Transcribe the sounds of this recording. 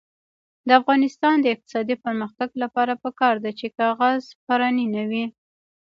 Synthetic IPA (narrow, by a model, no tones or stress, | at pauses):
d̪əafɣɑnɪst̪ɑnd̪əɪq̚t̪ɪ̥sɑd̪ipəɾməxt̪aɡlapɑɾapəkɑɾd̪at͡ʃekɑɣazpaɾɑninawi